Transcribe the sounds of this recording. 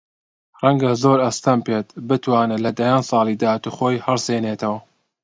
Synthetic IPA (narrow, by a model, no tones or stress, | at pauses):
rˤɐŋɡɐzoɾɐst̪ɐmpeːt̪bɨt̪ʰwaːnɨlɐd̪ajaːnsˤɑːlˠid̪aːat̪uːxoːjhɐrsenet̪ʰɐwɐ